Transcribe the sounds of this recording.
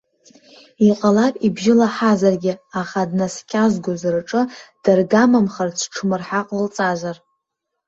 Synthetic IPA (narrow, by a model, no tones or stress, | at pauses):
iqʼalapʼibʒɪlaħazarɡʲɪaχadnaskʲʰʼazɡʷʊzrʈ͡ʂʼɨd̥arɡamamχart͡sʰʈ͡ʂʰmɨrħaqʼlɨlt͡sʼazar